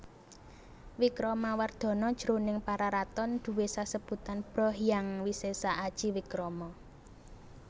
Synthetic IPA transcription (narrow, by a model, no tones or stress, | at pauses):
wikɾɔmaward̪̥ɔ̤nɔd̥ʒ̥ɾonɪŋpaɾaɾat̪ɔnd̪̥ṳwesasəb̥ṳt̪anb̥ɾɔ̤hjaŋwisesaad̥ʒ̥i̤wikɾɔmɔ